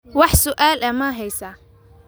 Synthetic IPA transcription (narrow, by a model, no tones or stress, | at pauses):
wɑħsʊʔaːlʔɐmaɦɛjsa